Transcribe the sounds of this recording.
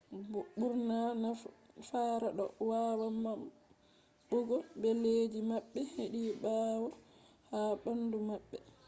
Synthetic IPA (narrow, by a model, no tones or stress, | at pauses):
buɓuɾnanafaːɾaɗɔ̰waːwamam | ɓɔɡɔbɛleːd͡ʒimaɓːɛheɗiːbaːwɔ | haːɓandumaɓːɛ